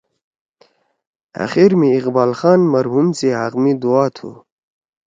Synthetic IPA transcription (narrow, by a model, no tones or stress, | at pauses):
a̰xiɾmĩːqbaːlxaːnmɐɾɦumseɦaqmid̪uaːt̪ʰṵ